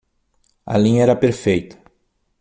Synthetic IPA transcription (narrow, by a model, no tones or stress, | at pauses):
ɐ̰lĩɲɐɛɾɐpeɾfejt̪ɐ̥